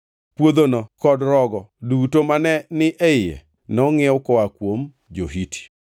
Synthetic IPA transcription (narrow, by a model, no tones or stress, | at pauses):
pwod̪onɔkɔdɾɔɡɔdutomanɛnɪʔɛɪjɛ̰ | nɔŋɪʊkɔwakwom | d͡ʒoɦitʰi̥